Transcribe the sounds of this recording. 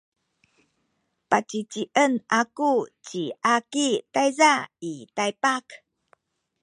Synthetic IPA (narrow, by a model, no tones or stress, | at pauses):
pat͡ɕit͡ɕiʔənʔakut͡ɕiʔakitajzaitajpak